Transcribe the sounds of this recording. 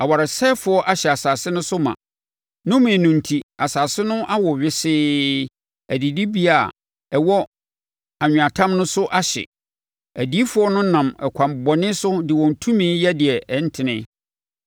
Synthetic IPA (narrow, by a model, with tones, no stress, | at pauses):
a˨wa˨ɾa˨sɛ˦fʊ˨˦ɔ˦ʔa˦ɕɛ˨a˨saː˨sɪ˦nʊ̃˦sʊ˦mã̰˨ | nʊ̃˦mɪ̃˨nũ˨n̩˨tʰi˨a˨saː˨sɪ˦nʊ̃˦ʔa˦wɔ˨ɥɪ˦sɪː˦ | æ˨di˨di˦bi˦a˨ | ɛ˨wɔ˦ | a˨ɲ̃ᶣ˨a˨tʰã˦mnʊ̃˦sʊ˦ʔa˦ɕɛ̰˨ | æ˨di˦fʊ˦ɔ˦nʊ̃˦nã˨mɛ̰˨kʷʰã˨m˨bɔ˨nɪ̃˦sʊ˦dɪ˨wɔ̃˨n̩˨tʰũ˦mĩ˦jɛ˦dɪ˨ɛ˨ʔɛ˦n̩˦tʰɪ˨nɪ̃˦